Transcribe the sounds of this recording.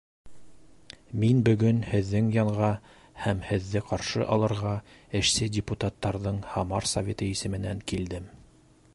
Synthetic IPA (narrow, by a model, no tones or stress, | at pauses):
minbɵ̆ɡɵnhɘ̆ðːɘŋjɑɴʁɑ | hæmhɘ̆ðːɘqɑɾʃɤʔɑlˠɤ̆ɾʁɑ | ɘ̆ʃsɘdʲɪput̪at̪ːɑɾðɤɴhɑmɑɾsɐvʲet̪ɤisɘ̆mɘ̆næŋkild̪ɘm